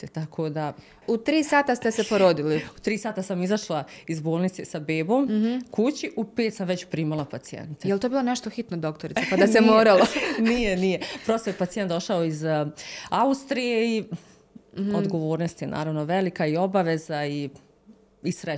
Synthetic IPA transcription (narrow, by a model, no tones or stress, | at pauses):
t̪et̪akʰod̪a | ut̪ɾiːsaːt̪ast̪esepoɾod̪iliut̪ɾiːsaːt̪asamizaʃlˠaizboːlˠnit̪sesabeːbo̞ːmkut͡ɕiʔupeːt̪samʋe̞t͡ɕpɾiːmalapat̪sijḛnt̪ejelt̪obilˠaneʃt̪oxit̪nod̪okt̪oɾit̪epad̪asemoːɾalonijenijepɾo̞st̪ojepat̪ijet̪d̪o̞ʃaoiz | aust̪ɾijei | o̞d̪ɡo̞ʋoːɾnost̪jenʔa̰ːɾaʋno̞ʋelikaio̞baʋezai | isɾe